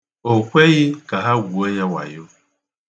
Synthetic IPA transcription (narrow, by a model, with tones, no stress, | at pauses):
o˨kʷe˦ɣɪ˦ka˨ɦa˦ɡʷu˨o˦ɲa˦wa̰˨jo˦